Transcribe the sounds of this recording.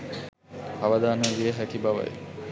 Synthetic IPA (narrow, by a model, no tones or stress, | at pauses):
aʋad̪aːnədiəɦækibaʋa̰j